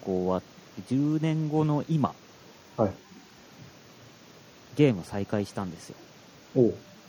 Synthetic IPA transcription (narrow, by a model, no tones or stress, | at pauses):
koːβat̪ | ed͡ʑɨːnẽ̞ŋɡo̞no̞ʔima̰ | hai | ɡʲe̞ːmɯ̟saikaiɕi̥t̪ãnd̪e̞sɨjo̞̰ | oː